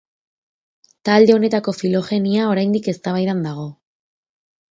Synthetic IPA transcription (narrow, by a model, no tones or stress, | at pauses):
t̪ald̪e̞o̞ne̞t̪ako̞filo̞xe̞niao̞ɾajnd̪ike̞st̪aβajðand̪aɣ̞o̞